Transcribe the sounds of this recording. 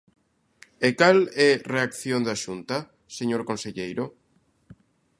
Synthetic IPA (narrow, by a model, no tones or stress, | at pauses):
ekalɛreakθjond̪aʃunt̪a | seɲoɾkonseʎejɾo